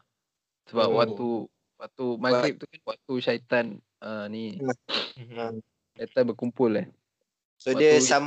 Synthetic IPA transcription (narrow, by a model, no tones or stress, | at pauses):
səbapwat̪u | wat̪umaɡɾip̚t̪ukanwat̪uʃait̪an | əni | ʃait̪anbərkumpʊlah | sodiəsam